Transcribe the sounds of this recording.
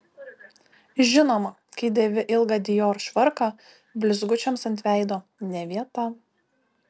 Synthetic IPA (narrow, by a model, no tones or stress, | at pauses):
ʒʲɪnoːmɐ | kɐɪd̪ʲɛʋʲɪʔɪlˠɡɑd̪ʲɪjoːɾʃʲʋɐɾkɑ | bʲlʲɪzɡʊt͡ʃʲɛmsɐnʲt̪ʲʋʲæˑɪd̪oːnʲɛʋʲiɛt̪ɑ